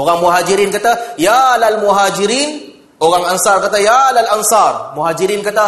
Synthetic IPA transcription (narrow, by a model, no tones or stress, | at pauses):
ʔoɡaŋmʊɦaːd͡ʒɪɾiːnkɐt̪ajalalmʊɦaːd͡ʒɪɾiːn | ʔoɡaŋɐnsaːɾkɐt̪ajalalʔɐnsɑːɾmʊhaːd͡ʒɪɾiːnkɐt̪a